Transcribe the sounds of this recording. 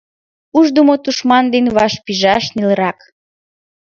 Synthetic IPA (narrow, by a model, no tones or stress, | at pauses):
uʒd̪omot̪uʃmɑnd̪enβɑʃpiʒɑʃnilə̆ɾɑk